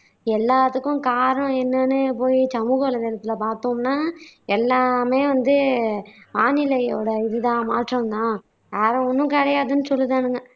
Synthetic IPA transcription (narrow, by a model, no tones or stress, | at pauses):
ɛlːaːt̪ɯkːʊ̃kaːɾɐɳɐ̃ɛnːɐnɯpoːjisɐmuːɣɐʋlɐðɛlɐt̪ːɪlɐpaːɾt̪omnaːɛlːaːmeːʋɐnd̪ɯ | maːnɪlɐjoːɽɐɪðɯt̪ãːmaːʈɾɐ̃nt̪ãː | jaːɾɐ̃ɔnːʊ̃kɐɽɐjaːðɯnːɯsɔlːɯt̪aːnɯŋɡɐ